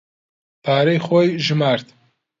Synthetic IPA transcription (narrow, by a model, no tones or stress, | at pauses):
pʰaːɾejxojʒɨmaːɾt̪